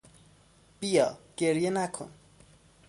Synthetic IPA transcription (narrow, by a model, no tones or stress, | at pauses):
bijʌ̰keɾijenakʰo̰n